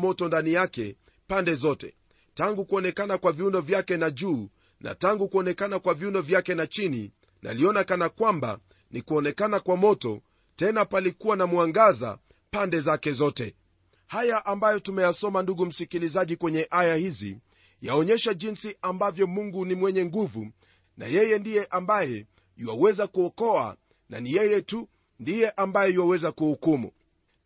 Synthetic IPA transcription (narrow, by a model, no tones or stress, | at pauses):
mɔtɔndanijakɛ̰ | pandɛzɔtɛ̰ | taŋɡukuɔnɛkanakwaviundɔvjakɛnaʄuː | na̰taŋɡukuɔnɛkanakwaviundɔvjakɛnat͡ʃinḭ | nʔa̰liɔnakanakwamba̰ | nikuɔnɛkanakwamɔtɔ̰ | tɛnapalikuwanamwaŋɡaza̰ | pandɛzakɛzɔtɛ | hajaʔambajɔtumɛjasɔmanduɠum̩sikilizaʄikwɛɲɛʔajahizḭ | jaɔɲɛʃaʄinsiʔambavjɔmuŋɡunimwɛɲɛŋɡuvu | na̰jɛjɛndijɛʔambajɛ | jiwawɛzakuɔkɔa̰ | nanijɛjɛtu | ndijɛʔambajɛjuwawɛzakuhukumṵ